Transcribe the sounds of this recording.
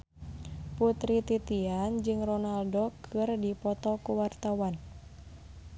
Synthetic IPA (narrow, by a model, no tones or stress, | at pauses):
put̪ɾit̪it̪iand͡ʒɨŋrɔnaldokʰɨrdipɔt̪ɔkuwart̪awan